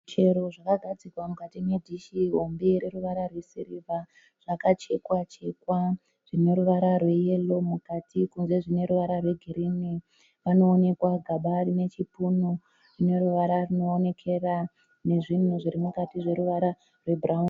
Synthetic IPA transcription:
t͡ʃe̞ɾo̞ʐakaɡʱad͡zikwamukatimwedʱiʃiɦo̞mbeɾe̞ɾuʋaɾarwe̞siɾiva | ʐ̥akat͡ʃe̞kwat͡ʃe̞kwa | ʐ̥ine̞ɾuʋaɾarwe̞je̞lo̞mukatʰikunze̞ʐine̞ɾuʋaɾarwe̞ɡʱiɾini | ʋano̞ːne̞kwaɡʱaɓarine̞t͡ʃipuno | rine̞ɾuʋaɾaruno̞ːne̞kʰe̞ra | ne̞ʐin̤uʐiɾimukatiʐe̞ɾuʋaɾa | rwe̞braun

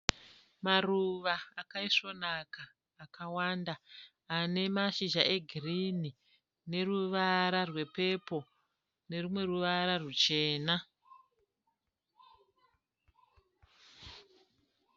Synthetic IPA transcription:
maruʋaakaiʂo̞nakaː | kawandaː | ne̞maʃiʒaʔe̞ɡʱirini | ne̞ruʋaɾarwe̞pe̞po̞ | ne̞rumwe̞ruʋaɾarut͡ʃe̞ːna

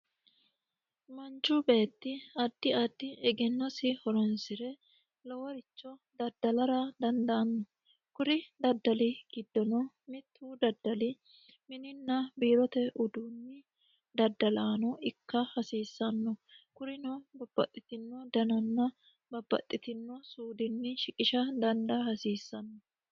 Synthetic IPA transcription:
mɐnt͡ʃːubeːt̪ːɪɐd̪ːɪɐd̪ːɪɛɡɛnːɔsɪhɔɾɔnsɪɾɛ | lɔwɔɾɪt͡ʃːɔd̪ɐd̪ːɐlɐɾɐd̪ɐnd̪ɐʔɐnːɔ | kʊɾɪd̪ɐd̪ːɐlɪɡ̥ɪd̪ːɔnɔ | mɪt̪ʰːuːd̪ɐd̪ːɐlɪ | mɪnɪnːɐbiːɾɔt̪ɛʔʊd̪uːnːɪ | d̪ɐd̪ːɐlaːnɔɪkːɐhɐsiːsːɐnːɔkʊɾɪnɔbɐb̥ːɐ̰t̪ʼːɪt̪ɪnːɔd̪ɐnɐnːɐ | bɐbːɐ̰t̪ʼːɪt̪ɪnːɔsuːd̪ɪnːɪʃɪkʼɪʃɐd̪ɐnd̪ɐhɐsiːsːɐnːɔ

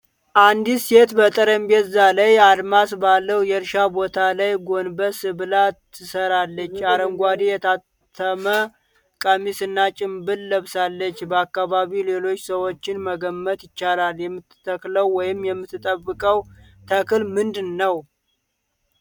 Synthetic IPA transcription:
ʔand̪ise̞t̪bət̪ʼəɾəmbet̪zalajad̪masbalːəwjɛɾʃabo̞t̪ʰalajɡo̞nbəsɨβɨlat̪ʰːɨsəɾalːət͡ʃːaɾəmɡʷad̪ejɛt̪ʰat̪ʰːəmə | kʼəmisɨnːat͡ʃʼɪmbɨlːəβsalːət͡ʃːbəakːaβaβile̞lo̞t͡ʃːsəwo̞t͡ʃːɪnməɡəmːət̪jɪt͡ʃːalaljɛmːɨt̪ːt̪ʰːəkləwːɔjɪmjɛmːɨt̪ːɨt̪ʼəbːɨkʼəw | t̪ʰəkɨlmɨnd̪ɨnːəw

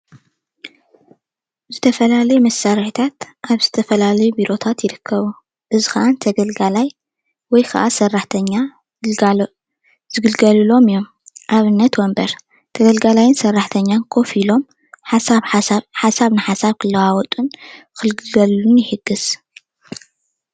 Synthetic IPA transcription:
zɨt̪ʰɐfɐlalɐjumɐsːaɾħit̪ʰat̪ʔaβzɨt̪ʰɐfɐlalɐjubiɾo̞t̪ʰat̪jɪɾɨkʰːɐβu | ʔɨzixɐʔant̪ʰɐɡɐlɡalaj | wɔjkʰɐʔasɐrːaħt̪ʰɐɲːa | zz̥ɨɡɨlɡɐlɨlo̞mɨjːo̞m | ʔaβɨnːɐt̪wɔmbɐɾ | t̪ʰɐɡɐlɡalajɪnsɐrːaħt̪ʰɐɲːankʰo̞filo̞m | ħasaβħasaβnɨħasaβkʰɨlːɐwawɔt̪ʼun | xɨlɡɨlɡɐllunjɪħɨɡːɨs

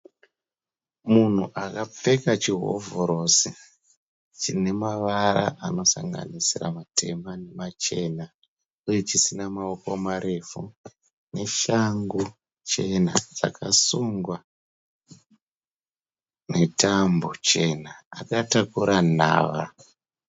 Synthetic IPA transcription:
mun̤uʔakap͡fe̞kat͡ʃiɦo̞̰voɾo̞si | t͡ʃine̞maʋaɾa̰ʔano̞sa̰ŋɡa̰nisira̰matʰe̞̰mane̞mat͡ʃe̞na | uje̞t͡ʃisinamaoko̞maɾe̞fu | ne̞ʃaŋɡu | t͡ʃe̞nad͡za̰kʰasuŋɡwa | ne̞tambo̞t͡ʃe̞naakatakuɾʔan̤a̰ːʋa

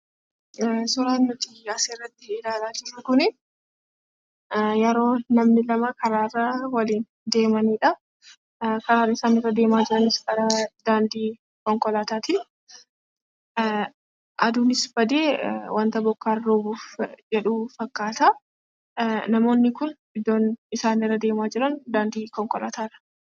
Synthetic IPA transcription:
sʊɾaːnːʊt̪iɐseːrːɐt̪ːɪːlaːlaːd͡ʒɪɾɐkʊnɪ | jɛɾo̞ːnɐmnɪlɐmɐkɐɾaːrːɐwɐliːn | d̪e̞ːmɐniːᶑɐ | kɐɾaːrːɐɪsaːnɪrːɐd̪e̞ːmaːd͡ʒɪɾɐnɪskɐɾɐd̪aːnd̪iː | kɔŋkʼɔlaːt̪aːt̪i | ʔɐd̪uːnɪsbɐd̪eːwɐnt̪ɐbɔkːaːrːoːbuːfd͡ʒɛᶑuːfɐkːaːt̪aː | nɐmo̞ːnːɪkʊn | ɪd̪ːo̞ːnɪsaːnɪrːɐd̪e̞ːmaːd͡ʒɪɾɐnd̪aːnd̪iːkɔŋkɔla̰ːt̪aːᶑɐ̥

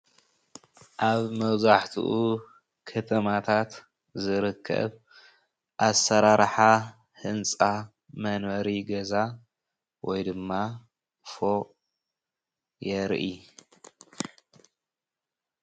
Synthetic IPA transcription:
ʔaβmɐwzaħt̪ʰṵʔu | kʰɐt̪ʰɐmat̪ʰat̪ | zɨɾɨkʰːɐ̰β | ʔasːɐɾaɾħa | hɨnt͡sʼa | mɐnwɐɾiɡɐza | wɔjd̪ɨmːa | fo | jɛɾʔi

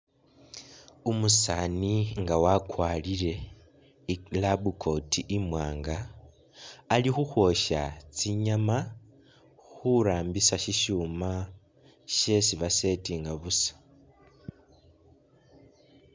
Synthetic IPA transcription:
umusaniŋɡawakwaːlile̞ | ilabukʰo̞tiʔimwaːŋɡa | lixuxwo̞ʃat͡siɲama | xuɾaːmbisaʃiʃuma | ʃesiβase̞tiŋɡaβusḁ

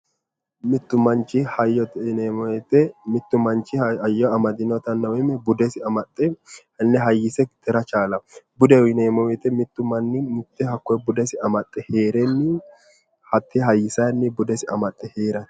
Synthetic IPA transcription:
mɪt̪ːʊmɐnt͡ʃːɪhɐjɔnemɔɛt̪ɛmɪt̪ːʊmɐnt͡ʃːɪɐjːɔɐmɐd̪ɪnɔt̪ɐnːɐwɛmːɛbʊd̪ɛsɪɐmɐt̪ʼːɛ | nːɛɦɐjːɪsɛt̪ɛɾɐt͡ʃaːlɐbʊd̪ɛɪneːmɔwɛt̪ɛmɪt̪ːʊmɐnːɪmɪt̪ːɛhɐkːɔjbʊd̪ɛsɪɐmɐt̪ʼːɛheːɾɛnːɪ | hɐt̪ːɪɦɐjːɪsɐjnːɪbʊd̪ɛsɪɐmɐt̪ʼːɛheːɾɐ

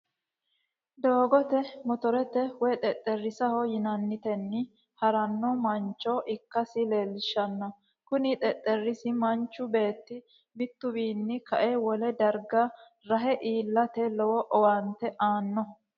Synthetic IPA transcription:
d̪oːɡɔt̪ɛmɔt̪ɔɾɛt̪ɛwɔjt̪ʼɛt̪ʼːɛrːɪsɐhɔjɪnɐnːɪt̪ɛnːɪ | hɐɾɐnːɔmɐnt͡ʃːɔʔɪkːɐsɪle̞ːlːɪʃːɐnːɔ | kʊnɪt̪ʼɛt̪ʼːɛrːɪsɪmɐnt͡ʃːʊbe̞ːt̪ːɪ | bɪt̪ːʊbiːnːɪkɐʔewɔlɛd̪ɐɾɡɐ | ɾɐɦɛʔiːlːɐt̪ɛlɔwɔʔɔwɐnt̪ːɛʔaːnːɔ

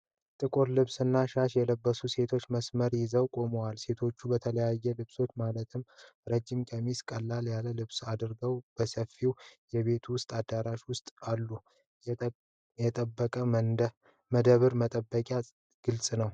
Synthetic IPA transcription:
t̪ʼɨkʼuɾlɨβsɨnːaʃaʃjɛləbːəsuse̞t̪ʰo̞t͡ʃːməsməɾjɪzəwkʼo̞məwalse̞t̪ʰo̞t͡ʃːubət̪ʰələjajːɛlɨβso̞t͡ʃːmalət̪ʰɨmɾəd͡ʒːimkʼəmiskʼəlːaljaləlɨβsad̪ɨɾɡəwb̥əsəfːiwjɛβe̞t̪ʰuwʊst̪ʼad̪aɾaʃwʊst̪ʼalːu | jɛt̪ʼəbːəkʼə | məd̪əβɨɾmət̪ʼəbːəkʼja | ɡ̥ɨlsʼnəw

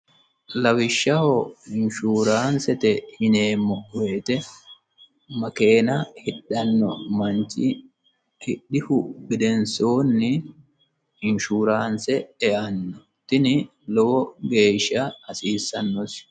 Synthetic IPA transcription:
lɐwɪʃːɐhoɪnʃuːɾaːnsɛt̪ɛhɪne̞ːmːɔwe̞ːt̪ɛ | mɐke̞ːnɐhɪɗːɐnːɔ̰mɐnt͡ʃːɪ | hɪɗɪhʊbɪd̪ɛnsoːnːɪ | ɪnʃuːɾaːnsɛɛʔɐnːɔ | t̪ːɪnɪ | lɔwɔɡe̞ːʃːɐɐsiːsːɐnːɔs

